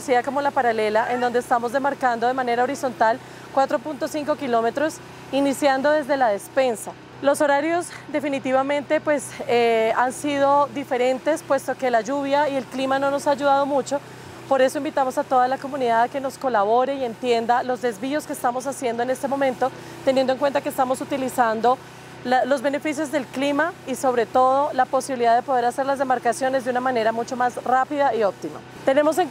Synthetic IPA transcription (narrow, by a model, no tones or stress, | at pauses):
siðako̞mo̞lapaɾale̞laʔend̪o̞nd̪eːst̪amo̞zd̪emaɾkand̪o̞ðe̞mane̞ɾao̞ɾisont̪al | kwat̪ɾo̞punt̪o̞siŋko̞kilo̞me̞t̪ɾo̞s | inisjand̪o̞ðe̞zd̪e̞laðe̞spe̞nsa | lo̞so̞ɾaɾjo̞zd̪e̞finit̪iβamẽ̞nt̪e̞pwe̞s | ansiðo̞d̪ife̞ɾe̞nt̪e̞spwe̞st̪o̞ke̞laʝuβjaie̞lklimano̞no̞saːd͡ʒuðað̞o̞mut͡ʃo̞ | po̞ɾe̞so̞ĩmbit̪amo̞sat̪o̞ðalako̞mũniðaðake̞no̞sko̞laβo̞ɾeie̞nt̪je̞nd̪alo̞zd̪e̞zβio̞ske̥ːst̪amo̞sasje̞nd̪oene̞st̪e̞mõ̞mẽnt̪o̞ | t̪enjend̪oŋkwe̞nt̪akest̪amo̞sut̪ilisand̪o̞ | lalo̞zβe̞ne̞fis̬jo̞zd̪e̞lklimaiso̞βɾe̞t̪o̞ðo̞lapo̞siβiliðaðe̞poð̞e̞ɾase̞ɾlazðe̞maɾkasjo̞ne̞zd̪eunamane̞ɾamut͡ʃomasrapiðaiop̚t̪ima̰ | t̪e̞ne̞mos̬eŋ